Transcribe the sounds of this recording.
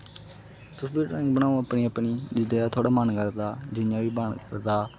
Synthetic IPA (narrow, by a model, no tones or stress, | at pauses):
t̪ʊsbiːʈɾə̃ːŋɡbənaːõəpniːəpniːd͡ʒɪd̪eːaːt̪ʰoːɽaːmənkəɾd̪aːd͡ʒɪjãːʋiːbəɳkəɾd̪aː